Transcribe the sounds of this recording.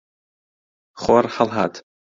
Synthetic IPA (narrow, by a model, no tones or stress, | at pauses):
χorħalˠħatʰ